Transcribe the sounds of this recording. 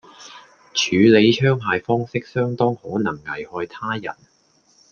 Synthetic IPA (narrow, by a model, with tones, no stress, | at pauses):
t͡ʃʰyː˨˧le˨˧jt͡ʃʰœː˥ŋpʰaː˨˧jfɔː˥ŋsɪ˥k̚sœː˥ŋt̪ɔː˥ŋhɔː˨˥nɐ˨˩ŋŋɐ˨˩jhɔː˧jt̪ʰaː˥jɐ̰˨˩n